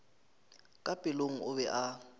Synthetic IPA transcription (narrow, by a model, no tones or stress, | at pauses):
kʼapʼɪloŋ̩ʊβɛʔa